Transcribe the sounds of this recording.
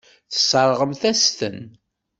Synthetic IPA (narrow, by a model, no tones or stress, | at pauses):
θə̥sˤəɾˤʁəmθæst̪ən